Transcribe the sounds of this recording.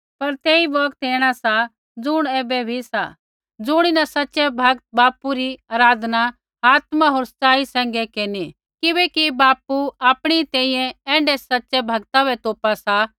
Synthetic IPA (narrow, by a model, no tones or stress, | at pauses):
pɐɾt̪eːibɔːkt̪eːɽ̃asa | d͡zʊɽ̃eːbɛbʱisa̰ | d͡zʊɽ̃inɐsɐtːʃɛbʱɐɡ̚t̪̚baːpuɾiaːɾaːd̪ʱna | aːt̪maɦoːɾsɐ̥t͡saːisɛ̃ːŋ̆ɡɛkeːni | kɪbɛːkibaːpuaːpɽ̃iit̪ɛ̃ːĩjɛ̃ɛ̃ːɳɖɛsɐtːʃɛbʱɐɡt̪abɛt̪oːpasa